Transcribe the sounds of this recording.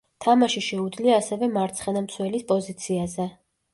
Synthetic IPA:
t̪ʰamaʃiʃɛud̪zliaːsɛvɛmaɾt̪sʰχɛnamt̪sʰwɛlispʼɔzit̪sʰiazɛ

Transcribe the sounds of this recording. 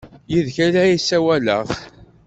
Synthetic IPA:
jiðçælæjisæwælə̰ʁ

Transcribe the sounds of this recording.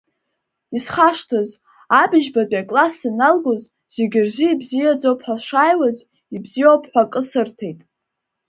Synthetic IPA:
isχaʂtʰaz | abɪʒbadʼakʼlasinalɡoz | z̥eɡʲɪrziibzijad͡zowpʰħʷᶣaʂaːjwaz | ibzijowpʰʼħʷakʼɨsɨrtʰe̞jtʼ

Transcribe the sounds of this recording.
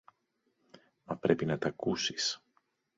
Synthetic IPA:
mɐpɾe̞pinɐt̪ɐkusi̥s

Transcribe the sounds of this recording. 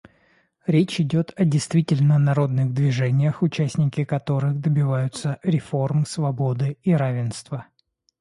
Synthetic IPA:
ɾʲet͡ɕɪdʲot̪ʰɐdʲɪjst̪vʲitʲɪlʲnənɐɾo̞d̪nɨɣd̪vʲɪʐɛnʲɪjəxʊt͡ɕæsʲnʲɪkʲɪkɐt̪o̞ɾɨxd̪əbʲɪvajʊt̪səɾʲɪfo̞rmsvɐbo̞d̪ɨiɾavʲɪnst̪və

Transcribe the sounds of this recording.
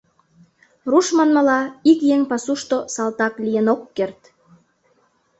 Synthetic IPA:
ruʃmɑnmə̆lɑikjeŋpɑsuʃt̪osɑlt̪ɑklijenokːert̪

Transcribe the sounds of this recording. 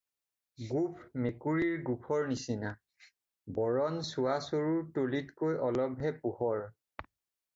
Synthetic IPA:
ɡupʰmekuɹiɹɡupʰɔɹnisina | bɔɹɔnsuasoɹuɹtolitkojʔɔlɔbʱɦɛpuhɔɹ

